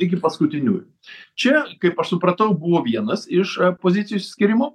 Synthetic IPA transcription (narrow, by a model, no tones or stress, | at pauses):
ɪkʲɪpɐskʊt̪ʲɪnʲṵːj | t͡ʃʲɛkɐɪpɐʃsʊpɾɐt̪ɐʊbʊʋoːʋʲiɛnɐsɪʃpoːzʲɪt̪ʲɪjoːsʲsʲkʲɪɾʲɪmoː